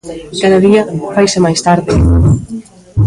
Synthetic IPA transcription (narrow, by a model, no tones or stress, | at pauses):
kaðɐðiɐfajsɪmajst̪aɾðɪ